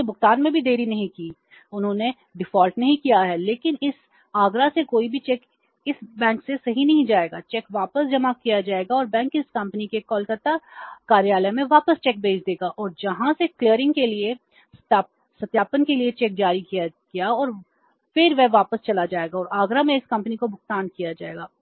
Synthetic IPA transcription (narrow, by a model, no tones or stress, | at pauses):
ebʊkt̪aːnmẽbʱid̪eːɾinɐɦĩkiː | ʊnɦõːne | ɖɪfɔːlʈnɐɦĩkijaɦɛleːkɪnɪs | aːɡɾasekoːibʱit͡ʃɛːk | ɪsbɛ̃ːŋksesɐɦinɐɦĩd͡ʒaːeːɡaːt͡ʃɛːkʋaːpəsd͡ʒɐmakijad͡ʒaːeːɡaɔːɾbɛ̃ːŋkɪskɐ̃mpənikekɔːlkɐt̪ːakaːɾjaːləmẽʋaːpəst͡ʃɛːk̚bʱeːt͡ʃʰd̪eːɡaʔɔːɾd͡ʒɐɦãseklijəɾɪ̃ŋɡkelie | sʈ̪aːp | sɐt̪jaːpənkeliet͡ʃɛːk̚d͡ʒaːɾikijaɡijaɔːɾ | fɪɾʋɛɦʋaːpəst͡ʃɐlad͡ʒaːeːɡaɔːɾaːɡɾamẽɪskɐ̃mpənikobʱʊk̚t̪aːnkijad͡ʒaːeːɡaː